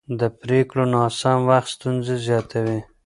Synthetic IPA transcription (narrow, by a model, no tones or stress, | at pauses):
d̪əpɾekɽonɑsamwaxt̪st̪unzezjɑt̪ʰawi